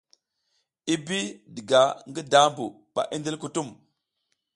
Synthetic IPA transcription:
i˦bi˦di˨ɡa˨ŋɡi˦da˦mbu˨ | ɓa̰˨ʔi˦nde˦lku˨tu˦˨m

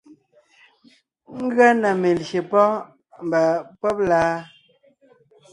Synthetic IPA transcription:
ŋ̩˦ɡɰa˦na˨me˨lʃe˨pɔ˦ | m̩˨ba˨pɔ˦p̚laː˦

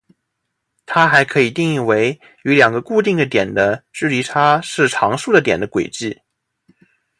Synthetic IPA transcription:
t̪ʰa˥xa˧˥ɪkʰɤ˧˥i˨˩t̪i˥˧ŋi˥˩we˧˥ɪ | y˧˥ljɑ˨˩ŋɡə˦ku˥˧t̪i˥˩ŋd̪ə˩t̪jɛ˨˩nd̪ə˦ʈ͡ʂɻ̩˥˩li˧˥ʈ͡ʂʰa˥ʂɻ̩˥˩ʈ͡ʂʰɑ˧˥ŋʂu˥˩d̪ə˩t̪jɛ˨˩nd̪ə˦kwe˨˩ɪt͡ɕi˥˩

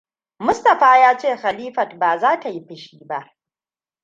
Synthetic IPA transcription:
mʊ˦stɐ˨ɸaː˦jaː˦t͡ʃeː˦˨xa˨liː˦ɸɐ˨tbaː˨zaː˦ta˨ji˦ɸɪ˨ʃiː˦ba˦ʔ

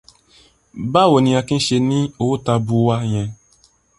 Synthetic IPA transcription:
ba˦˨wo˨nĩ˧a˧ki˦n̩˦ʃe˧nĩ˦o˨wo˦ta˧bu˨˦wa˦j̃ɛ̃˧

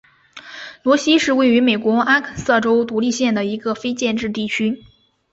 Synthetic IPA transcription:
lwɔ˧˥ɕi˥ʂɻ̩˥˧we˥˩ɪy˧˥me˨˩ɪkwɔ˧˥ʔa˥kʰə˨˩sɤ˥˩ʈ͡ʂo˥ʊt̪u˧˥li˥˧ɕjɛ˥˩nd̪ə˩i˧˥ɡə˧fe˥ɪt͡ɕjɛ˥˧nʈ͡ʂɻ̩˥˧t̪i˥˩t͡ɕʰy˥

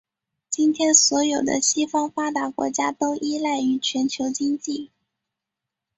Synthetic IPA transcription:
t͡ɕi˥nt̪ʰjɛ˥nswɔ˧˥jo˨˩ʊd̪ə̰˦ɕi˥fɑ˥ŋfa˥t̪a˧˥kwɔ̰˧˥t͡ɕja˥t̪o˥ʊʔi˥la˥˩ɪy˧˥t͡ɕʰɥɛ˧˥nt͡ɕʰjo˧˥ʊt͡ɕi˥ŋt͡ɕi˥˩

